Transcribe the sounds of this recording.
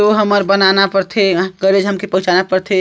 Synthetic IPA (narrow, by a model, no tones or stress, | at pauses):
oɦəməɾbənanapəɾt̪ʰeɡəɾed͡ʒɦəmkepəɦʊ̃t͡ʃanapəɾt̪ʰe